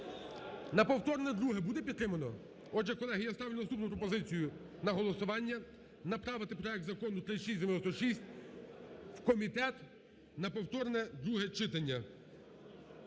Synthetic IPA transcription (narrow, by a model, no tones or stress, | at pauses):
nɐpɔwt̪ɔrnɛd̪ɾuɦɛbud̪ɛpʲid̪t̪ːɾɪmɐnɔ | ɔdd͡ʒɛkɔlˠɛɦijast̪ɑʋlʲud̪ɐst̪upnʊpɾɔpɔzɪt͡sʲijʊ | nɐɦɔlˠɔsʊʋɑnʲːɐ | nɐpɾɑʋɪt̪ɪpɾɔɛk̚t̪zɐkɔnʊt̪ɾɪʃisʲd̪ʲemenɔst̪ɔʃisʲtʲ | wkɔmʲit̪ɛt̪ | nɐpɔwt̪ɔrnɛd̪ɾuɦɛt͡ʃɪt̪ɐnʲːɐ